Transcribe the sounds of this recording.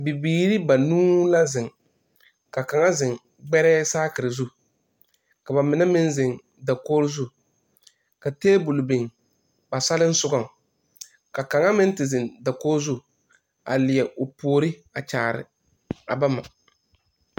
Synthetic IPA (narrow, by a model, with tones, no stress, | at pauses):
bi˨biː˨ɾi˦ba˨nuː˦la˦zɪ˨ŋ | ka˨ka˨ŋa˦zɪ˨ŋ | ɡ͡bɛ˦ɾɛː˦saː˦kɪ˨ɾɪ˨zu˦ | ka˨ba˨mɪ˨nɛ˦mɪ˦nzɪ˨ŋ | da˨koː˦ɾzu˦ | ka˨teː˦bu˨lʊ˨bɪ˨ŋ | ba˨sa˦lɪ˦n̩˦sʊ˦ɡɔ˦ŋ | ka˨ka˨ŋa˦mɪ˦n˦tɪ˨zɪ˨nda˨koː˦zu˦ | a̰˨lɪ˨ɛ˨ʔʊ˨pu˨o˨ɾɪ˦a˨t͡ʃaː˨ɾɪ̰˨ | a̰˨ba˦ma̰˨